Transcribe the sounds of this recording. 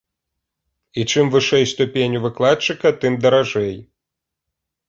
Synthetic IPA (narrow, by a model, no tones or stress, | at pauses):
it͡ʂɨmvɨʂɛjst̪upʲenʲuvɨklˠat͡ʂɨkɐt̪ɨmd̪ɐɾaʐɛj